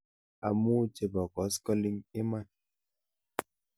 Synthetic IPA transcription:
a̰˨mu˦t͡ʃe˨bɔ˨kɔ˨˦skɔ˦li˦ŋi˦ma˦˨n

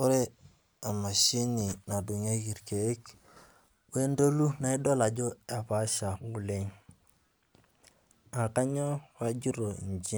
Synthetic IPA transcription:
o˦ɾe˦ | a˨ma˨ʃi˦ni˨na˨du˨ɲa˦ɡi˨ɾke˨e˦k | we˦ndo˦lu˦na˦i˦do˦la˨ɟo˦a˨pa˦ʃa˨ɡu˨le˦ɲ | a˨ka˦ɲo˦wa˦ɟi˦ɾo˨i˨ɲd͡ʒi˦

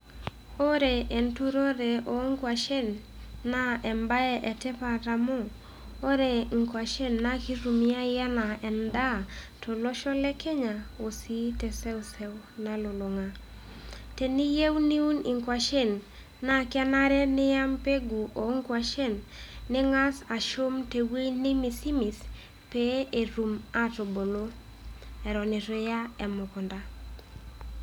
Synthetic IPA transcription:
o˦ɾe˨e˨ntu˦ɾo˦ɾe˨o˨ŋ˦kwa˨ʃe˦nː | a˦ɛ˨mba˦ɛ˦ʔɛ˨tɛ˦pa˨ɾa˨mo˦ | o˦ɾe˨ŋ̩kwa˨ʃe˦nːa˦ki˦ɾu˨mi˦a˦ja˦na˨ɛ˨nda˦˨ | tʰɔ˨lo˦ʃɔ˦lɛ˦ke˦ɲa˨o˨si˦tɛ˨sɛ˦u˨sɛ˦wna˨lo˨lo˨ŋa˨ | te˨ni˦je˦wni˦u˦nɪ˨ŋkwa˨ʃe˦nː | a˨kɪ˦a˦na˦ɾɛ˦nɪ˦ja˦mpe˦ɡu˨ʔo˨ŋkwa˨ʃe˦nːɪ˦ŋa˦sa˨ʃo˦mte˨we˦nɪ˦mɪ˨si˦mi˨s | pe˦e˨ɾu˨ma˦to˨bo˨lo˦ | ɛ˨ɾɔ˨nɪ˨tɔ˨ja˦ɛ˨mʊ˨kɔ˨nda˦

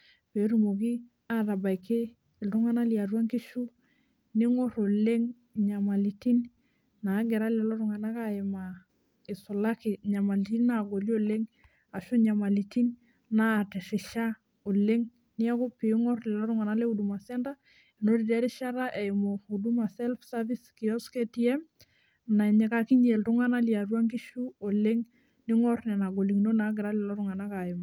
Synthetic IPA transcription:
pe˨˦ɾu˦˨mo˨ki˦ | a˦˨ɾa˨ba˨jkʰeː˦˨ | ltu˦ŋa˦na˦li˨a˨ɾwa˦ŋki˦ʃu˦ | ni˦ŋɔ˦ɾo˨le˦ŋ | ɲa˨ma˨li˨ti˦n | na˨˦ɡɛ˨ɾa˦lɛ˨lo˦ɾʊ˨ŋa˨na˦ka˦ɪ˨ma˨ | ɪ˨su˨la˦ki˨ɲa˨ma˨li˨ti˦nna˨ɡo˨li˦o˦le˦ŋ | a˨ʃu˦ɲa˨ma˨li˨ti˦n | na˦˨te˨sɪ˨ʃa˦ | o˨le˦ŋ | nɪ˦a˦kʊ˦pɪ˨˦ŋɔ˦rlɪ˨lɔ˦ɾʊ˦ŋa˨na˦le˦u˨du˨ma˨sɛ˦nda˦ | ɛ˨no˦di˨dɛ˦ɾɪ˦ʃa˦ɾa˦ʔɛ˨ɪ˨mo˨u˨du˦ma˨sɛ˦lfsa˦vi˦ski˨ɔ˦ske˦ti˦ɛ˦m | na˨ɲɛ˨ka˨kɪ˦ɲe˨ltʊ˦ŋa˦na˦li˨a˨rwa˦ŋɡi˦ʃu˦o˨le˦ŋ | nɪ˦ŋɔ˦rnɛ˨na˨ɡo˨li˨ŋno˦na˨˦ɡ̬ɪ˨ɾa˦lɪ˨lɔ˦ɾʊ˨ŋa˨na˦ka˨ɪ˨ma˨

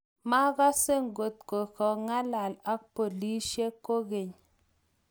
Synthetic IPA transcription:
ma˦ɡa˦se˦ŋ˨ɡo˨t̪̚ko˨kɔ˨ŋa˦la˨la˦k̚po˨li˦ʃe˦ko˦ɡe˨ɲ

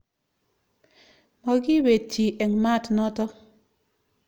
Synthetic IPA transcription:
mɔ˨ɡɪ˦we˨t͡ʃːi˨ʔɛ˨ŋma˦˨tnɔ˦tɔ˦

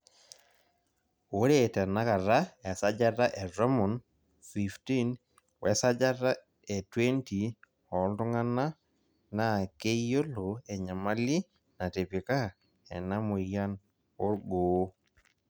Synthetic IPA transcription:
o˨˦ɾe˦tɛ˨na˦ka˨ɾa˦ɛ˨sa˦d͡ʒa˦ta˦ʔɛ˨ɾɔ˦mɔ˨n | fi˨fti˦n | wɛ˨sa˦d͡ʒa˦ta˦ | ɛ˨twe˦nti˨ | ɔ˨˦ltʊ˦ŋa˦na˦ | na˨ke˦jo˦lo˨ɛ˨ɲa˨ma˦li˦ | na˨te˨pi˨ka˦ | ɛ̰˨na˦mo˨ja˦n | o˦ɾɡo˨˦

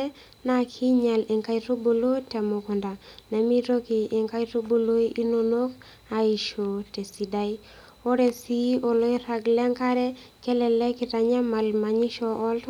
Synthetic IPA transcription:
na˦kʰi˦ɲa˨lɪ˨ŋka˦iɾo˦bo˨lo˦tɛ˨mo˨kɔ˨nda˨na˨mi˦ɾo˦ki˨ʔːŋka˦i˦ɾo˦bo˨lo˦ʔi˦no˦no˦k | a˨i˨ʃo˨te˨si˨da˦i˦ | o˦ɾe˨si˦ʔo˨lo˦i˦ɾa˨ɡlɛ˦ŋka˦ɾɛ˦kɛ˦lɛ˨lɛ˦ki˨ta˨ɲa˦ma˨lma˨ɲi˦ʃɔ˨ʔːl

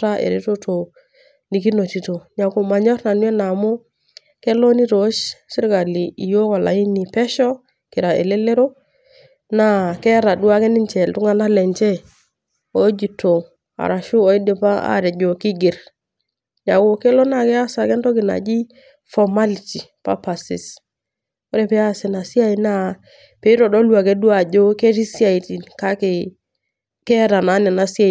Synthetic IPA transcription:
a˦ʔḛ˨ɾe˦to˦tʰo˨ | ni˨ki˦no˨ti˨to˨ɲa˨ku˨ma˨ɲɔ˦ɾna˨n˦e˦na˨mo˦ | kɛ˦lo˦ni˦ɾo˨˦ʃsi˦ɾka˨li˨i˨jo˦ka˨la̰˨i˦ni˨pɛ˦ʃɔ˦ | ki˨ɾa˨ḛ˨le˦le˦ɾo˦ | na˦kɛ˦ɾa˨du˦a˦kɛ˦ni˦nt͡ʃɛ˨ltu˦ŋa˦na˦lɛ˨ɲt͡ʃɛ˦ | o˨˦d͡ʒi˨to˨ | a̰˨ɾa˨ʃʊ˦ɔ˨˦i˦de˨pa˦a̰˦ɾɛ˨d͡ʒo˨kɪ˦ɡɪ˨ɾ | ɲa˨ko˨ke˦lɔ˦na˦˨kɛ˦a˦sa˨kɛ˦ntɔ˦kɪ˨na̰˨d͡ʒi˦ | fɔ˨ma˦li˨ti˨pa̰˦pa˨sɪ̰˨s | o˦ɾɛ˨pɛ˦a˦˨sɪ˨na˨si˦a˦i˨na˦˨ | pe˨˦ɾɔ˨dɔ˦lwa˨ke˦du˦a˨d͡ʒo˦ke˦ti˦si˦a˨i˨ti˨ka˦kɪ˨ | kɛ˦ɾa˨na˨˦nɛ˨na˨si˦a˦˨

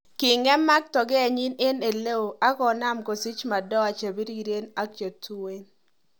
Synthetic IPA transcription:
kɪ˨ŋɛ˦ma˦k̚tɔ˨ɡɛ˦a˨ɲi˦ne˦ne˨le˦o˨a˦kɔ˨na˦mko˨si˦t͡ʃma˨dɔ˦a˨t͡ʃe˨bi˦ɾi˦ɾe˦na˦k̚t͡ʃe˨tu˦we˦n

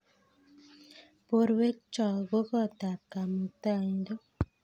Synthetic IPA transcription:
po˦ɾwe˦k̚t͡ʃɔ˨ɡo˦kɔ˦˨ta˨p̚ka˨mu˨ta˦˨ɲdo˦

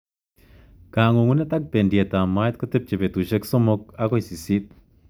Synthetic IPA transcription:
ka˨ŋo˨ŋu˦na˦t̪ʼa˦k̚pe˨ndje˨t̪a˨ma˦jt̪̚ko˦t̪ɛ˦p̚t͡ʃe˨pe˨t̪u˨ʃe˦kso˦mo˧k̚a˦ko˦jsi˨si˦t̪̚

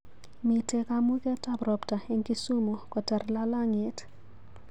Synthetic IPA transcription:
mi˨te˨kamu˦kɛ˦ta˨brɔ˨pta˨e˦ŋki˦su˦mo˨kɔ˨tɛ˨rla˦la˦ŋɪ˨t

